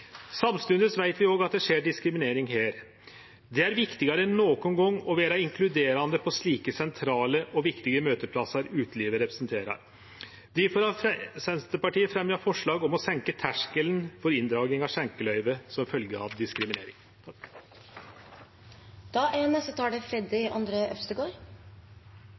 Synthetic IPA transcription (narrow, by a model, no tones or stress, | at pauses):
sɑmst̪ʉnəsʋæɪt̪ʋɪoːɡɑt̪̚d̪ɛʂeːɖɪskɾɪmɪneːɾɪŋɦeːɾ | d̪ɛæɾʋɪkt̪ɪɡɑɾəɛnːoːkʊnɡɔŋːɔʋeːɾɑɪŋkʰlʉd̪eːɾɑnd̪əpʰɔsɭiːkəsɛnt̪ʰɾɑːləʔɔʋɪkt̪ɪɡəmøːt̪əpʰlɑsɑɾʉːt̪liːʋəɾɛpɾɛsnt̪ʰeːɾɑ̰ɾ | d̪ɪfɔɾɑfɾɛsʋɛnst̪əpɑʈiːəfɾɛmjɑfɔʂɭɑːɡɔmɔsɛŋkət̪ʰæʂkəlnfɔɾɪnd̪ɾɑːɡnɪŋɑsɛŋkəlœʏʋəsɔmfœlɡəɑ̰ʋd̪ɪskɾɪmɪnḛːɾɪŋ | d̪̥ɑʔɛnəsɔt̪ʰɑːɖɛfɾɛd̪ɪʔɑ̰nd̪ɾəœ̰fst̪əɡoːɾ